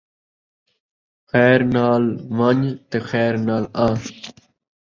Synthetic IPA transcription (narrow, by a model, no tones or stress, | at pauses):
xɛːɾnaːlʋaɲt̪exɛːɾnaːlãː